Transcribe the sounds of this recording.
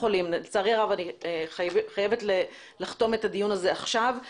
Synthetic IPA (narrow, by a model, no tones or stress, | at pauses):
χolimnt͡saʁiʁavanieχajevetle | laχt̪o̞me̞t̪ad̪ijunaze̞aχʃav